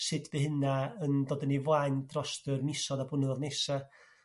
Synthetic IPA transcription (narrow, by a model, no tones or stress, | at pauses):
sɪdʰvehɪnaəndɔːdənivajndrɔstərmɪsɔdabʊnəvɔdnesa